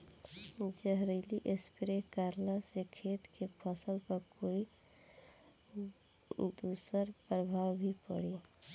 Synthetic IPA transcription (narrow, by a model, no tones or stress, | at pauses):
d͡ʒəɦɾiliʔespɾekaɾlasekʰeːt̪kepʰəsəlpəɾkoːi | d̪uːsəɾpɾəbʱaːwbʱipə̰ɽe